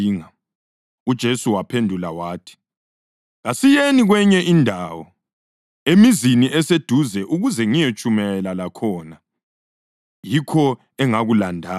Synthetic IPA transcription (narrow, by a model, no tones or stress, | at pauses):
ŋa | ud̥ʒ̥ʱesuwapʰendʱula̰waːtʰi̥ | ɣasijeniɣwɛɲɛʔindʱaːwɔ | emiziniʔɛsed̥ʱuzɛʔuɣuzɛŋijet͡ʃʼumɛlalakʰɔːna | jikʰɔ | ɛŋaɣulandʱaː